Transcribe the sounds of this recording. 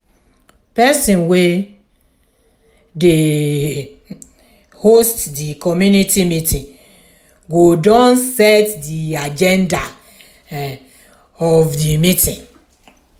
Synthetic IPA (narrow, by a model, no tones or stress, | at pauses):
pɛsĩnwe | de | hostdikɔmjunitʰimitĩn | ɡodɔ̃nsɛtdiad͡ʒɛ̃nda | ɔvdimitĩŋ